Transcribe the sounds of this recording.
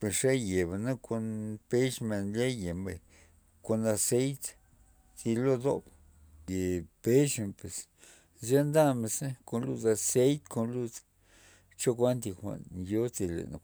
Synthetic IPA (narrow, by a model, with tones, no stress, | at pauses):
pe˨sʂe˦je˨ba˨na˦kʰo˧npe˦ʃme˧nle˦je˨mbḛ˨ | ko˧na˧se˦jt̪ | t͡si˧lo˦d̪o̰˦b | je˨pe˦ʃe˨pe˨s | za˦nd̪a˦me˧se˦ko˧nlu˧za˧se˦jt̪kʰo˧nlu˧t͡s | t͡ʃo˦kʷa˦nt̪̬i˧xʷa̰˨ʔnjo˦t͡si˧lḛ˨n̰˧